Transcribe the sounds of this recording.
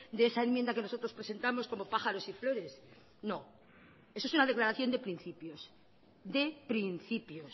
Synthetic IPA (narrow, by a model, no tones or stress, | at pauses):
d̪eesae̞mjend̪ake̞no̞so̞t̪ɾo̞spɾe̞se̞nt̪amo̞sko̞mo̞paxaɾo̞siflo̞ɾe̞s | no̞ | esoesunaðe̞klaɾaθjo̞nd̪e̞pɾin̟θipjos | d̪e̞pɾinθipjos